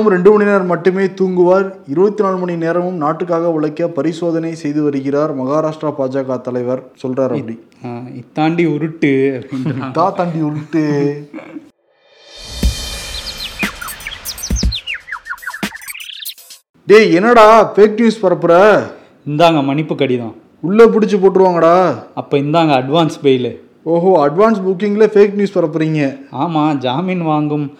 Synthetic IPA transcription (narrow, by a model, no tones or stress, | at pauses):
mɾɛɳɖɯmɐɳinɐɾmɐʈːɯmeːt̪uːŋɡɯʋaːɾ | ɪɾɯbɐt̪ːinaːɭmɐɳineːɾɐmɯmnaːʈːɯk̬ːaːɣɐʋɪɭɐkːɐpɐɾɪsoːðɐnɐɪsɛjðɯʋɐɾɯɣɪraːɾmɐɣaːɾaːʂʈɾapaːd͡ʒaːɣat̪ɐlɐɪʋɐɾsɔlraːɾɐpːɐɽi | ɪt̪ːaːɳɖiɔɾɯʈːɯɐpɐɪnt̪ːaːt̪ːaːɳɖiɔɾɯʈːɯ | ɖeːɛnːɐɽaːfeːk̚njuːspɐɾɐpːɯɾɐ | ɪnd̪aːŋɡɐmɐnɪpːɯkːɐɽɪjɐðãː | ʊɭːep̬ʊɽɪt͡ʃːɯpoːʈːɯɾɯʋaːŋɡɐɽaːɐpːoːɪnd̪aːŋɡɐɐɖʋaːnsbeːlɛ | oːɦoːɐɖʋaːns̬bʊk̬ːɪŋɡleːfeːk̚njuːspɐɾɐp̬ːɯɾiːŋɡɐaːmaːd͡ʒaːminʋaːŋɡɯm